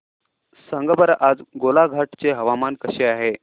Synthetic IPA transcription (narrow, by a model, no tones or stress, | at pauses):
səŋɡəbəɾʔad͡zɡolaɡʱaʈt͡seɦəʋamankəɕeaɦe